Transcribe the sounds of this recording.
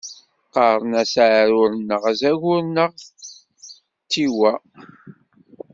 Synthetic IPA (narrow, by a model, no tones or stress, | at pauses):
qɑɾˤnæsʕɾʊɾənːəʁæzæʝʊɾnəʁ | t͡sːiwæ